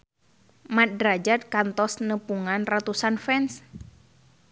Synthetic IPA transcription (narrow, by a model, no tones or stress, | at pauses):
mat̪̚dɾad͡ʒat̪̚kant̪ɔsnəpuŋanrat̪usanfɛns